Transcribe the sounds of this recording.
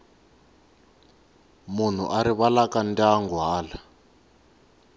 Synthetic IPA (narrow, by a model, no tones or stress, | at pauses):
mun̤ṵʔaɾiβalakandaŋɡaːla